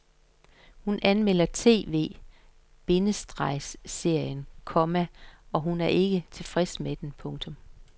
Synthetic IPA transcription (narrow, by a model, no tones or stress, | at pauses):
hunʔænmel̰ɐt͡sʰe̝̰ːʋe̝̰ː | b̥e̝nəsd̥ʁɑ̈ɪ̰sːe̝ɐ̰jənkʰɒ̽mæɒ̽ɦunæɐʔe̝ɡ̥ət͡sʰe̝fʁɛsmed̥enpʰɔ̽ŋt͡sʰɔ̽m